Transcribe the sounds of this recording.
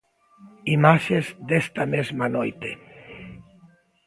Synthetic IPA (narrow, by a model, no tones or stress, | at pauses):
imaʃezd̪est̪amezmanojt̪e